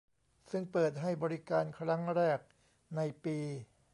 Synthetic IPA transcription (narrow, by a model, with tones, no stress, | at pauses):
sɯ˥˩ŋpɤː˨˩t̪̚ɦa˥˩jbɔː˧ɾi˦˥kaː˧nkʰɾa˦˥ŋɾɛː˥˩k̚ | na˧jpiː˧